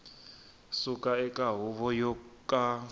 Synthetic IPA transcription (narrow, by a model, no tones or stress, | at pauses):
sukʼaɛkʼaɦuβɔjɔkʼa